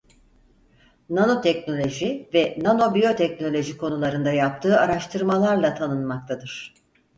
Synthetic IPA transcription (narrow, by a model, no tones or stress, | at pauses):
nano̞t̪ʰɛcno̞lʲo̞ʒivɛnano̞bijo̞t̪ʰɛc̚no̞lʲo̞ʒikʰo̞nulˠaɾɯnd̪ajap̚t̪ʰɯːaɾaʃt̪ʰɯɾmalˠaɾlˠat̪ʰanɯnmak̚t̪ʰad̪ɯɾ̥